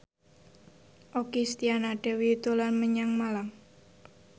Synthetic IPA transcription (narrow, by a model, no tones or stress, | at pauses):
ʔokist̪ianaɖ̥ɛ̤wiut̪ulanməɲaŋmalam